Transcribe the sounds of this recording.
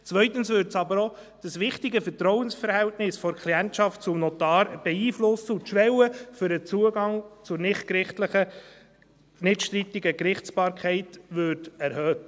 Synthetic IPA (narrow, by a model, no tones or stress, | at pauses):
t͡sʋœʏtənsʋʏɾtsɑbəɾo | d̥əsʋɪχtɪɡəfəɾtɾɔwənsfəɾhæltnɪsfɔɾkʰliɛntʃɑft̚t͡sʊmnɔt̪ɑːɾb̥ɛiːflʊsːəʊtʃʋɛwəfʏɾət͡suəɡɑŋt͡sʊɾnɪχtkɾɪχtləχə | nɪtʃtɾitɪɡəkɾɪχt͡sb̥ɑːɾkʰɛɪtʋʏɾtɛɾhœːt